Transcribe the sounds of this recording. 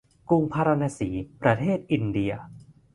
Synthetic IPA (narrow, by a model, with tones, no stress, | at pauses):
ku˧ŋpʰaː˧ɾa˧naː˧siː˩˦pɾa˧t̪ʰeː˥˩t̪̚ʔi˧ndi˧ɐ